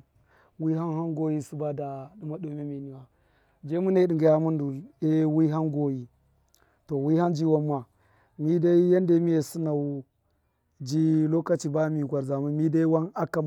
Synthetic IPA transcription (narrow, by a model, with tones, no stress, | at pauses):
wi˦ɦa˦nha˦nɡo˦ji˦su˦ba˦da˨ɗu˦ma˦ɗo˨˦me˦mi˨ni˨wa˨ | d͡ʒe˦mu˦ne˦ɗi˨ŋɡa˨ja˦mu˦ndu˨le˦wi˦ɦa˦nɡo˦ji˨ | to˨wi˦ha˦nd͡ʒi˦wa˦mːa˨ | mi˦da˦i˦je˦nde˦mi˦je˨su˦na˨u˨ | d͡ʒi˦lo˦ka˨t͡ʃi˨ba˦mi˨ɡʷa˨ɾza˨mu˦mi˦da˦i˦wa˦na˦ka˨